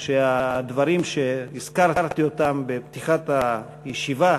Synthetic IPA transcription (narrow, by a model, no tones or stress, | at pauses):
ʃead̪vaɾimʃeiz̥kaʁʁt̪iot̪ambept̪iχat̪a | jeʃiva